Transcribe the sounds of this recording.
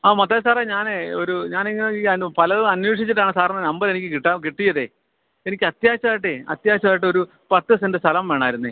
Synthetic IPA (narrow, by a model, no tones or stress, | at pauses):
aːmɐt̪ːaːsaːreɲaːneoɾuɲaːniŋːɐneiːɐpɐlɐðɐnweːʂit͡ɕːiʈːaːɳɨsaːɾɐnːɐnɐmbɐɾe̞nikʲːɨkiʈːaːmkiʈːijɐðe | enikʲːɐt̪jaːɕɐaːjiʈ̬ːeɐ̰t̪jaːɕɐmaːjiʈːɨo̞ɾu | pɐt̪ːɨsendɨst̪ʰɐlɐmʋe̞ːɳaːjiɾunːɨ